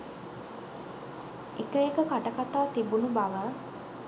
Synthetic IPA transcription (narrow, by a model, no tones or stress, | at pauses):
ekəekəkaʈəkat̪aːt̪ibunubaʋə